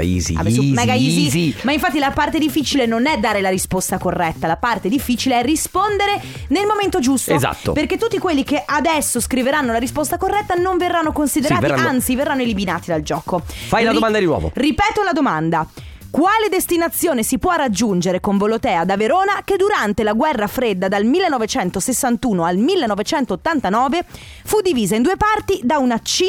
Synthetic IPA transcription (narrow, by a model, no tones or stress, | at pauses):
izḭa̰umɛɡaizizimaiɱfat̪ːilapart̪ed̪ifːit͡ʃilenonɛd̪ːaːɾelaɾispost̪akorːɛt̪ːalapart̪ed̪ifːiːt͡ʃileɛrispond̪eɾe | nelmoment̪od͡ʒust̪oza̰t̪ːo̰perket̪ːut̪ːikwelːikeʔad̪ɛsːoskɾiveɾanːolaɾispost̪akorːɛt̪ːanoɱverːanːokonsid̪eɾaːiaaant̪siverːanːoeliminaːt̪id̪ald͡ʒɔːkofajlad̪omand̪ad̪inwɔ̰ːvo̰ripɛːt̪olad̪omand̪a | kwaːled̪est̪inat̪sːjoːnesipwɔrad͡ʒːund͡ʒeɾekoɱbolot̪ɛːad̪aveɾoːnaked̪uɾant̪elaɡwɛrːafɾed̪ːad̪almilːenːɔvet͡ʃɛnt̪osesːant̪uːnoalmilːenːɔvet͡ʃɛnt̪oːt̪ːant̪anɔːve | fud̪ːiviːzaind̪uːepart̪id̪aunat͡ʃi